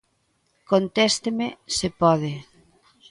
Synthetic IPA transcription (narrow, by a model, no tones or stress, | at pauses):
kont̪ɛst̪emesɪpɔðɪ